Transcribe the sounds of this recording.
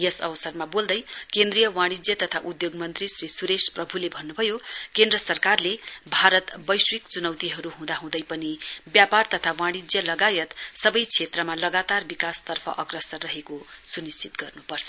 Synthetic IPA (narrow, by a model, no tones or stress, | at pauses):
jʌsʌ̰bʌsʌrmabold̪ʌjkend̪rijʌwaɽ̃id͡zjʌt̪ʌt̪ʰaʔud̪joɡmʌnt̪risrisuɾesprʌbʱulebʱʌnːubʱʌjokend̪rʌsʌrkarlebʱaɾʌt̪bʌjswikt͡sunʌwt̪iɦʌɾuɦũd̪aɦũd̪ʌjpʌnibjapart̪ʌt̪ʰawãɽ̃id͡zjʌlʌɡajʌt̪sʌbʌjt͡sʰet̪rʌmalʌɡat̪arbikast̪ʌrpʰʌ̰ʔʌkrʌsʌrːʌɦekosunist͡sit̪ɡʌrnupʌrt͡sʰʌ